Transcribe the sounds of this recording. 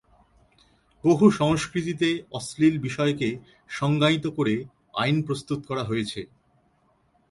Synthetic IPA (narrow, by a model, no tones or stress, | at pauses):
b̥oɦuʃɔŋʃkɾit̪it̪eɔslilbiʃɔeke | ʃɔŋɡait̪okoɾe | a̰jnpɾost̪ut̪kɔɾaɦojet͡ɕʰe